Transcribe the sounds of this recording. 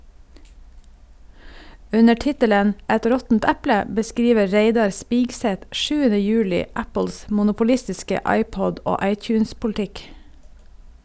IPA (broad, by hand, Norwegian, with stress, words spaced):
ˈʉnə ˈʈɪtələn ˈɛt ˈɾɔtn̩t ˈæplə bəˈskɾiːʋə ˈɹæɪdɑɾ ˈspɪɡsɛt ˈʔʃʉːənə ˈjʉːlɪ ˈæpɭ̩s mʊnʊpʊˈlɪstɪskə ˈɑɪˌpɔɟ ˈoː ˈɑɪˌtjʉːnspʊlˌtɪk